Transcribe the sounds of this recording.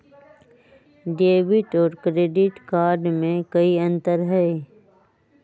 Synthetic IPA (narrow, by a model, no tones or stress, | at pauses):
ɖeːbɪʈɔːɾkɾeːɖɪʈkaːɾɖmẽkɐiɐ̃nt̪əɾɦɛː